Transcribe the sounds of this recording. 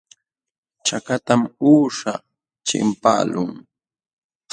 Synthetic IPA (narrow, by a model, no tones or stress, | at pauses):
t͡ʃakat̪amuːʂa | t͡ʃɪ̰mpa̰ːlʊŋ